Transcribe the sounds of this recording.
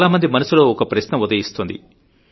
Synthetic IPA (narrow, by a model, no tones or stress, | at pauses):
alaːmɐnd̪imɐnɐsuloːɔkɐpɾɐʃnɐud̪ɐjist̪ond̪ḭ